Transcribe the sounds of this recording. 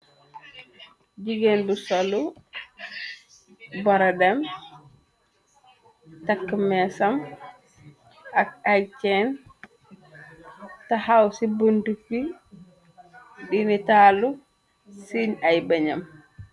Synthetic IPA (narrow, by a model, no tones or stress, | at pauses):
ɟiɡenbusɔlu | bɔɾadɛm | takːmɛsam | ak̚ajt͡ʃɛn | tahawsibunduki | dinitaːlu | siɲajbaɲam